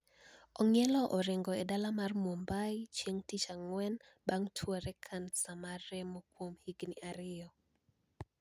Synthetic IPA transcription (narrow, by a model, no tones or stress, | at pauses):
ɔŋɛlɔʔɔɾɪŋɡɔedalamarmombajt͡ʃjeŋtit͡ʃaŋwɛn | baŋtʰwɔɾɛkʰansamarɛmokwomhiɡniʔaɾɪjɔ